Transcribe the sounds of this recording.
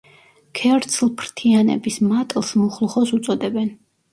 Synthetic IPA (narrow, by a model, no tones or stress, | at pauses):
kʰɛɾt̪sʰlˠpʰɾt̪ʰianɛ̰bismat̪ʼlˠsmɔχlˠχɔsut̪sʼɔd̪ɛbɛn